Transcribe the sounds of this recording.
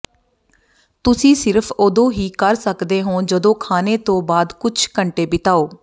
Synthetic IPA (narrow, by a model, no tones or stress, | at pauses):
t̪ʊsĩːsɪɾpʰoːd̪õːɦiːkəɾsəkd̪eːɦõːd͡ʒəd̪õːkʰaːneːt̪õːbaːd̪kʊt͡ʃʰkəɳʈeːbɪt̪aːoː